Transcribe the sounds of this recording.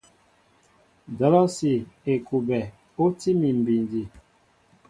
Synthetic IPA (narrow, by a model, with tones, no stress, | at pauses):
dɔ˨˦lɔ˦si˨e˨ku˨bɛ˨ | o˦ti˦mi˨m˨bi˨ndi˨